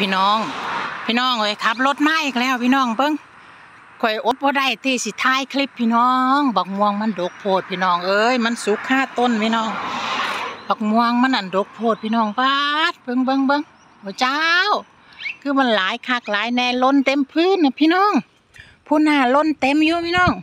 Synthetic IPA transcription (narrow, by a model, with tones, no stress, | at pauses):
pʰiː˧˨nɔː˧˩ŋpʰiː˧˨nɔː˧˩˨ŋkʰɔ˨jkʰa˧˦p̬̚lo˧t̪̚maː˧˥˨jʔiː˧k̚lɛː˧˨wpʰiː˧˨nɔː˧˩ŋbɤ˧˨ŋ | kʰɔ˨˩jʔo˧˦t̪̚bɔː˧da˧˩˨jt̪iː˧˩si˧˦t̪ʰaː˧˥˨jkʰli˧˥pʰːiː˧˨nɔː˧˥ŋba˨˧˩k̚mu˧əŋma˧˥˨ndo˨˧˦k̚pʰoː˧˩t̪̚pʰiː˧˨nɔː˧˩ŋʔɤː˧jma˧˥˨nsu˨˦kʰːaː˧˥˨t̪o˧˥˨npʰiː˧˨nɔː˧˩ŋ | ba˨˧˩k̚mu˧əŋma˧˥˨nʔa˨ndo˨˦k̚pʰoː˧˩t̪̚pʰiː˧˨nɔː˧˩ŋba˧t̪̚bɤ˧˨ŋbɤ˧˥˨ŋbɤ˧˨ŋ | pʰɔː˧˩t͡ɕa˧w | kʰɯː˧˥˨ma˧˥˨nlaː˨˦jkʰaː˧˩k̚laː˨˦jnɛː˧˨lo˧˥˨nt̪e˧˨mpʰɯː˧˥˨nːa˧pʰiː˧˥˨nɔː˧˥˨ŋ | pʰuː˧˨naː˧˩˨lo˧˥˨nt̪e˧˥˨mjuː˧pʰiː˧˨nɔː˧˩˨ŋ